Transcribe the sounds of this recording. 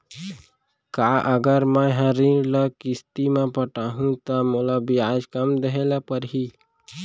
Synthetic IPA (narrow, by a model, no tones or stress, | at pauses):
kaːʔəɡəɾmə̃ɦəɾiɾləkɪst̪imẽpəʈaːɦũt̪əmolabiaːd͡ʒkəmd̪əɦelapəɾɦi